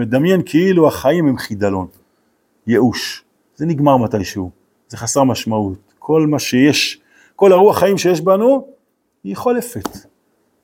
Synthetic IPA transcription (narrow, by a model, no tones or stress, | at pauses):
ed̪amje̞nkʰeiluaχajimhemχid̪alo̞n | jeʔuʃ | z̥eniɡmaʁmatajʃehu | z̥e̞χasaʁmaʃmaut | kʰo̞lmaʃejeʃ | ko̞laʁuaχajimʃejeʃbanu | hiχolefet̪